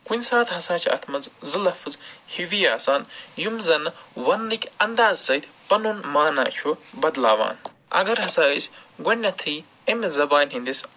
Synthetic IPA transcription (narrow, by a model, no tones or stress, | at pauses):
kunʲsaːt̪ʰɦɐsaːt͡ʃʰɐ̰t̪ʰmɐnzzɨlɐfɨzhiʋijaːsaːnjumzɐnʋɐnlɨkʲɐnd̪aːzsɐt̪ʲpɐnunmaːna̰ːt͡ʃʰubɐd̪laːʋa̰ːn | ɐ̰ɡɐɾɦɐsaːisʲɡɐnʲːɐt̪ʰiː | emzɐbaːnʲɦind̪isʲ